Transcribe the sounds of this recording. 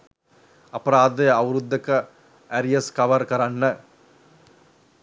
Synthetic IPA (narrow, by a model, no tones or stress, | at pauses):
ɐpːɐɾaːd̪ɯɐʋɾud̪ːɐkːɐ | ɐɾijɐskɐʋɐɾkɐɾɐnːɐ